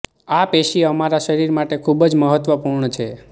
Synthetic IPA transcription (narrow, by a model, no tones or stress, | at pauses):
apeʃiəmaɾaʃəɾiɾmaʈekʰubəd͡ʒməɦət̪ʋəpuɾɳət͡ʃʰe